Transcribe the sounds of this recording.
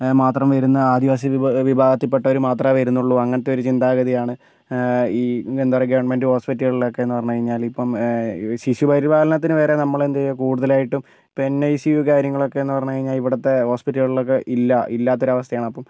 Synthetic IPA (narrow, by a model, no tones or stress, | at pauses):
maːt̪rɐmʋɐɾunːɐaːd̪iʋaːs̬ɐʋibʱaːɡɐt̪ːipːeʈːɐo̞ɾumaːt̪rɐʋɐɾunːuɭːuɐŋːɐnɐt̪ːe̞o̞ɾut͡ɕind̪aːɡɐðijaːɳɨ | iːend̪ɐrɐɡɐʋɐɳmendɨho̞ːspitːɐɣɐɭilokːe̞enːupɐrɐɲːukɐɻiɲːaːlipːɐmsisjupɐɾibaːlɐnɐt̪ːinɨʋe̞ːɾe̞nɐmːɐɭend̪ekuːɽuðɐlaːjiʈːum | piinːeisijuːkaːɾjɐŋːɐɭo̞kːe̞enːɨpɐrɐɲːukɐɻiɲːaːliʋiɽɐt̪ːe̞ho̞ːspitːɐɣɭilo̞kːe̞ʔilːɐilːaːt̪ːo̞ɾɐʋɐst̪ʰɐjaːɳɨɐpːɐm